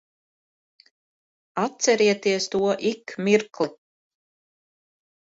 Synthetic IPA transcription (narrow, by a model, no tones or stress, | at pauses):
at̪sɛɾiɛt̪iɛst̪uɔʔikmʲiɾklˠi